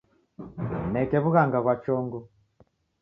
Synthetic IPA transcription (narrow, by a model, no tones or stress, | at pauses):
nɛkɛβuɣaŋɡaɣwat͡ʃɔŋɡɔ